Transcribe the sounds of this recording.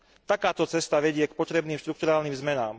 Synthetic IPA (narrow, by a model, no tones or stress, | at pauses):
t̪akaːt̪ɔt͡sɛst̪aʋɛɟɪɛkpɔt̪ɾɛbniːmʃt̪ɾuk̚t̪uɾaːlniːmzmɛnaːm